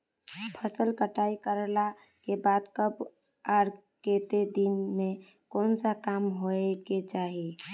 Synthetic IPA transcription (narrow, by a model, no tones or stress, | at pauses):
pʰəsəlkəʈaikəɾla | kebat̪kəb | aɾ | ket̪ed̪inme | konsakamɦoeket͡ʃaɦi